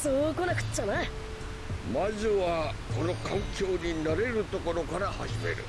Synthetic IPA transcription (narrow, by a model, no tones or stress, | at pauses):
sokonakɯ̟̥t͡ɕːanai | mazɨβa | ko̞no̞kʰakʲoːɲinaɾe̞ɾɯ̟t̪o̞ko̞ɾo̞kaɾaha̰ʑime̞̰ɾɯ̟̰